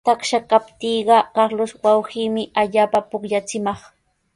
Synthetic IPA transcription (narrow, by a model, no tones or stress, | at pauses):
t̪akʃakapt̪iːɢɑkɑɾlʊʃwawhiːmɪʔaʎaːpapʊkʎat͡sɪmɑχ